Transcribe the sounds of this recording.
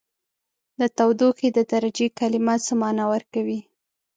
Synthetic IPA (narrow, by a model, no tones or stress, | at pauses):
d̪ət̪awd̪uxed̪əd̪aɾad͡ʒekalɪmasamɑnawəɾkawi